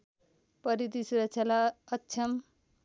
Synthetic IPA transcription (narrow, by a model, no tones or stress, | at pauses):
pʌɾit̪isuɾʌksʰjalaʌtːsʰʌm